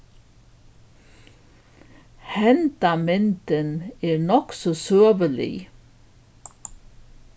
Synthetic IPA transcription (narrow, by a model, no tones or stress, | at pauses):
hɛnd̪̥ɑmɛnt̪ənæːɹnɔksɔsøːʋəlɪ̰